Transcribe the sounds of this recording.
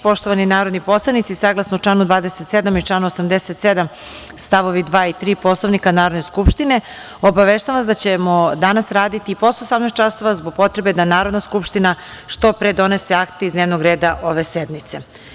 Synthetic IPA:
po̞ʃt̪oʋaninaːɾod̪nipo̞slˠanit̪sisaːɡlˠasnouʈ͡ʂlaːnud̪ʋaːd̪eset̪sed̪amit͡ʃlaːnuosamd̪eset̪sed̪am | st̪aʋoʋid̪ʋaːit̪ɾiːpo̞slˠoʋnikanaːɾod̪ne̞skupʃt̪ine̞ | obaʋeʃt̪aaasd̪at͡ɕemod̪anasɾaːd̪it̪iːpo̞st̪osamnet͡ʃaso̞ʋazbo̞ɡ̚po̞t̪ɾebe̞d̪anaːɾod̪naskupʃt̪ina | ʂt̪o̞pɾed̪o̞neseakt̪eizneːʋnoɡɾeːd̪aʔo̞ʋesed̪mit̪se̞

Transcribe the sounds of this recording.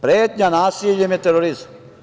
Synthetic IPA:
pɾet̪ɲanaːsiejemet̪eɾoɾis

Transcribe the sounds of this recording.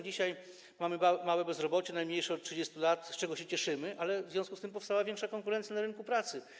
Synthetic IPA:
d͡ʑiɕaj | mamɘmawɛbɛzɾɔbɔt͡ɕɛnajmɲejʂɛɔt̪̚tʂɘd͡ʑest̪ulat̪st͡ʂɛɡɔɕɛt͡ɕɛʂɘmɘʔalɛvzvʲjɔ̃skust̪ɘmpɔfst̪awavʲjɛŋkʂakɔŋkuɾɛnt̪sjanaɾɘnkupɾat̪sɘ

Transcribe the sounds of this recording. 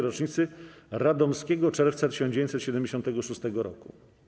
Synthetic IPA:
ɾɔt͡ʂɲit̪sɘɾad̪ɔmskʲɛɡɔt͡ʂɛɾft̪sat̪ɘ̥ɕɔ̃nd͡ʑevʲjẽɲt͡ɕ̪ʲsɛt̪ɕɛd̪ɛmd͡ʑeɕɔnt̪ɛɡɔʂust̪ɛɡɔɾɔ̰kṵ

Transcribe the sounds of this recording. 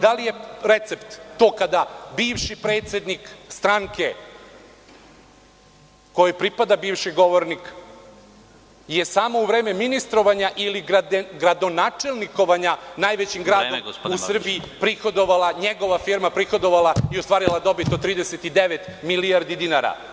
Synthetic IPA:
d̪alije̞ɾe̞t̪se̞pt̪ːo̞ːkad̪abiːʋʃipɾe̞ːt̪sje̞d̪nikst̪ɾaŋke̞ | ko̞jopɾipad̪abiːʋʃiɡo̞ʋoɾnik | jesaːmouʋɾe̞ːme̞minist̪ɾo̞ʋaɲaʔiliad̪ɡɾad̪o̞naːt͡ʂe̞lˠniko̞ʋaɲanaːjʋet͡ɕimɡɾaːd̪oɡusr̩biipɾixo̞d̪o̞ʋalˠaɲe̞ɡo̞ʋafiɾmapɾixod̪o̞ʋalˠaiost̪ʋaːɾilˠad̪o̞bit̪ot̪ːɾiːd̪eset̪id̪eʋet̪milijaɾd̪id̪inaɾa̰

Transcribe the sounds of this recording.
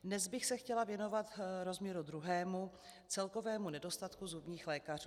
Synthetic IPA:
dnɛzbɪxsɛxcɛlavjɛno̞vat̪ɾo̞zmɲɛɾud̪ɾuɦɛːmu | t͡sɛlko̞vɛːmunɛdo̞st̪at̪kuzubɲiːxlɛːkar̝uː

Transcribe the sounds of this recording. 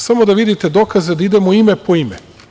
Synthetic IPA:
samo̞d̪aʋid̪it̪e̞d̪o̞kazed̪aid̪e̞moime̞poime

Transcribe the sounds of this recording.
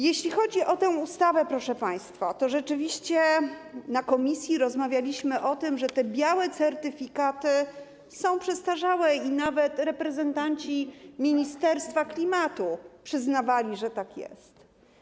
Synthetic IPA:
jeɕlʲixɔd͡ʑiʔɔt̪ɛ̃w̃ust̪avɛpɾɔʂɛpaj̃st̪fat̪ɔʐɛt͡ʂɘvʲiɕt͡ɕɛnakɔmʲisʲjiɾɔzmavʲjalʲiɕmɘʔɔt̪ɘmʐɛt̪ɛbʲjawɛt̪sɛɾt̪ɘfʲikat̪ɘ | sɔ̃w̃pʂɛst̪aʐawɛinavɛt̪ɾɛpɾɛzɛnt̪aɲt͡ɕimʲiɲist̪ɛɾst̪faklʲimat̪upʂɘznavalʲiʐɛt̪akjɛ̰st̪

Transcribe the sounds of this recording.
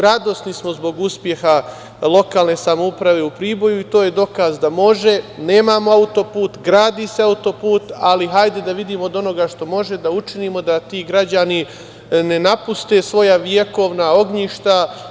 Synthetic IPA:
ɾad̪o̞snismo̞zbo̞ɡuspje̞xa | lˠo̞kaːlˠne̞samoupɾaʋe̞upɾiːbo̞juit̪o̞ːje̞d̪o̞kazd̪amo̞ʒe̞ne̞ːmamo̞aut̪o̞puːt̪ɡɾaːd̪ise̞aut̪o̞puːt̪aliɦajd̪e̞d̪aʋid̪iːmoːd̪o̞no̞ɡaʃt̪o̞mo̞ʒe̞d̪aut͡ʃiniːmo̞d̪at̪iːɡɾad͡ʑani | ne̞napust̪e̞ːsʋo̞jaʋjeko̞ʋnao̞ɡɲiʃt̪a

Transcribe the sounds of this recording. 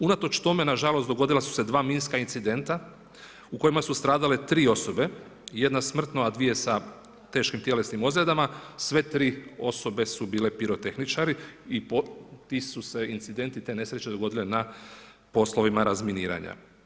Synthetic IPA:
unat̪o̞t͡ʃt̪o̞me̞naʒalost̪d̪o̞ɡo̞d̪ilasu̥se̞d̪ʋaːmiːnskainsid̪e̞nt̪a | uko̞imasust̪ɾaːd̪ale̞t̪ɾiːo̞so̞be̞ | jed̪nasmr̩t̪noad̪ʋije̞sa | t̪eːʃkimt̪je̞le̞snimo̞zled̪amasʋe̞t̪ɾiːo̞so̞be̞subiːle̞piɾo̞t̪e̞xnit͡ʃaɾiipot̪iːsuse̞insid̪e̞nt̪it̪e̞ne̞sɾet͡ʃe̞d̪o̞ɡo̞d̪ilena | po̞slo̞ʋimaɾazminiːɾa̰ɲa̰

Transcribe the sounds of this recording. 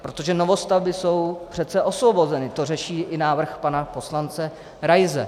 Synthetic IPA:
pɾot̪o̞ʒɛno̞vo̞st̪avbɪso̞wpr̝̥ɛt̪t͡sɛʔo̞svo̞bo̞zɛnɪt̪o̞rɛʃiːʔɪnaːvr̩xpanapo̞slant͡sɛ | ɾajzɛ̰

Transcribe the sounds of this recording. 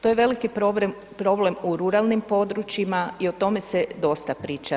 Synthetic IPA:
t̪ojeʋe̞likipb | pɾo̞ble̞muɾuɾalˠnimpo̞d̪ɾut͡ʃimaio̞t̪o̞me̞sed̪o̞st̪apɾiːt͡ʃa

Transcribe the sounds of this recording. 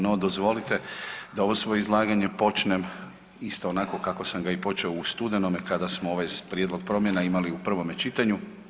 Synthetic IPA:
nod̪ozʋo̞lit̪ed̪ao̞ʋo̞sʋo̞jeizlˠaːɡaɲe̞po̞t͡ʃnem | ist̪oːnako̞kako̞samɡaipo̞t͡ʃeoust̪ud̪enomekad̪asmooʋajpɾʲjed̪lo̞ɡ̚pɾo̞mje̞naimaliupr̩ʋo̞me̞t͡ʃit̪aɲu

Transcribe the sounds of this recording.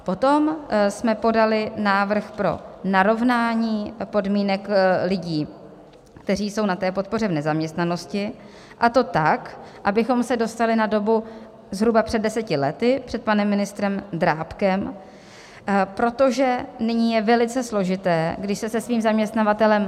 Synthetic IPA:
po̞t̪o̞msmɛpo̞dalɪnaːvr̩xpɾo̞̰naɾo̞vnaːɲiːpo̞dmiːnɛklɪɟiː | k̚t̪ɛr̝iːso̞wnat̪ɛːpo̞t̪̚po̞r̝ɛvnɛzamɲɛst̪nano̞scɪ | ʔat̪o̞t̪akʔabɪxo̞msɛdo̞st̪alɪnado̞bu | zɦɾubapr̥ɛdːɛsɛcɪlɛ̰t̪ɪpr̥ɛt̪̚panɛmːɪnɪst̪ɾɛmd̪ɾaːpkɛm | pɾo̞t̪o̞ʒɛnɪɲiːjɛvɛlɪt͡sɛslo̞ʒɪt̪ɛːɡdɪʃsɛsɛsviːmzamɲɛst̪navat̪ɛlɛm

